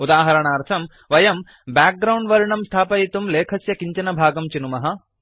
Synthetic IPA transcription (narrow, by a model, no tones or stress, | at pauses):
ud̪aːɦɐɾɐɳaːɾt̪ʰɐm | ʋɐjɐm | baːk̚ɡɾɐwɳɖʋɐɾiɳɐmst̪ʰaːpɐit̪umleːkʰɐsjɐkiɲt͡ʃɐnɐbʱaːɡɐmt͡ʃinumɐɦɐ̆